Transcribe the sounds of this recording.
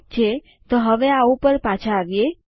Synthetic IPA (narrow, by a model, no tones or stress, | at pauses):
t͡ʃʰe | t̪oɦəʋeaupəɾpat͡ʃʰaːʋje